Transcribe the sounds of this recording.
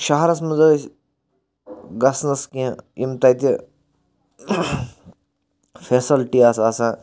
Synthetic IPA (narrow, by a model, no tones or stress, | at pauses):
ʃɐɦɐɾɐs̬mɐzɐs | ɡɐsnɐskĩimt̪ɐjt̪ʲi | fʰeːsɐlʈiɐsɐsã